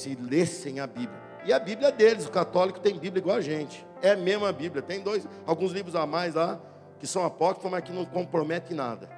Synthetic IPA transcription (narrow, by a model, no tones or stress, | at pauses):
sɪlesẽj̃ɐbiblʲjɐ | ɪɐbibljɐɛd̪elɪzʊkat̪ɔlikʊ̥t̪ẽj̃biblʲɐiɡwawɐʒẽnt͡ʃɪ̥ | ɛmezmʊabibljɐt̪ẽj̃d̪ojz | awɡũzlivɾʊzamajzla | kɪsɐ̃w̃apɔkɾifɐ̃mãjkɪnɐ̃w̃kõpɾomɛt̪ẽj̃na̰d̪ɐ